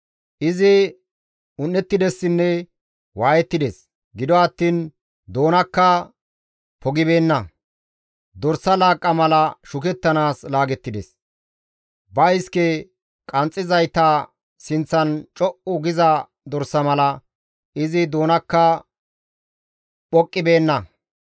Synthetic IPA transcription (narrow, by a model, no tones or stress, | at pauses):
ʔɪzɪ | ʊnːɛt̪ːɪd̪ɛsːɪnːɛ | waːjɛt̪ːɪd̪es | ɡɪd̪ɔɐt̪ːiːn | d̪o̞ːnɐkːɐ | pʰɔɡɪbe̞ːnːɐ | d̪ɔɾsɐlaːkʼːɐmɐlɐʃʊkɛt̪ːɐnaːslaːɡɛt̪ːɪd̪ɛs | bɐjɪskɛ | kʼɐnt͡sʼːɪzɐjt̪aː | sɪnt͡sːɐnt͡ʃʼɔʔʊɡɪzɐ | d̪ɔɾsːɐmɐlɐ | ɪzɪd̪o̞ːnɐkːɐ | pʼɔkʼːɪbe̞ːnːɐ